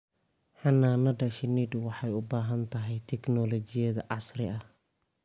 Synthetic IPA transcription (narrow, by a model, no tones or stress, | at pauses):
ħɑnːaːnɐdɐʃɪnid̪wɑħɑjʊbaːɦɐnt̪ʰɐɦɛjt̪ʰɛknɔlɔt͡ʃɪjɐðɐʕɑsɾɪɐh